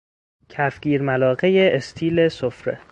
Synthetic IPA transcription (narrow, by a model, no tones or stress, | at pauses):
cʰæfɡ̥ʲiːɾmælɒːɣejeʔːst̪ʰiːle̞sofɾḛ